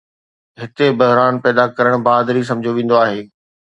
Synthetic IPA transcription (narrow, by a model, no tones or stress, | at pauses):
ɦɪt̪ebɐɦɾaːnpɛːd̪akɐɾəɽ̃baːd̪ɾis̬ɐ̃md͡ʑʱoʋẽːn̆d̪oaːɦeː